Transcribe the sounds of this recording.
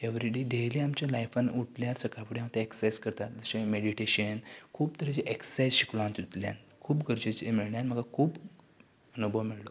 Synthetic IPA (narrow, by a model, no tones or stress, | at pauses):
eʋɾiɖeɖeliːamt͡ɕjalajfanuʈʰljaɾsəkʰapɽiãmt̪eeksajskəɾt̪at̪d͡zəɕẽmeɽiʈeɕənkʰuːb̚t̪əɾet͡ɕeʔeksajsɕiklãnt̪ut̪lja̰nkʰuːbɡəɾd͡ʑet͡ɕemiɭɳjanm̤əɡakʰuːb | ənubʱəʋmiɭlo